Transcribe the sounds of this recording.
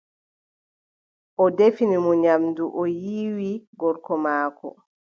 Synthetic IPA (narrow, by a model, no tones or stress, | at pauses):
ʔɔdefinimɔɲamduʔɔjiːwiɡɔɾkɔmaːkɔ̰